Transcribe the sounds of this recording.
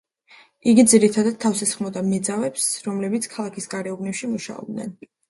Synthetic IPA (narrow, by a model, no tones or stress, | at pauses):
iɡid̪ziɾit̪ʰad̪ad̪̥̚t̪ʰːafsɛsχmɔd̪amɛd̪zavɛpsɾɔmlɛbit̪sʰkʰalˠakʰisɡʼaɾɛubnɛpʃimuʃa̰ɔ̰bd̪nɛ̰n